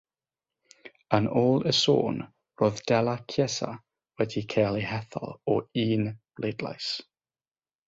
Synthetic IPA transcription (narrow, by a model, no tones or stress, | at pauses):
ənoːlˠəso̰ːn | roːðd̥ɛlˠakʰjɛsa̰ | wɛdikʰeːlˠihɛθɔ̰lˠɔiːnb̥lʔeːdla̰js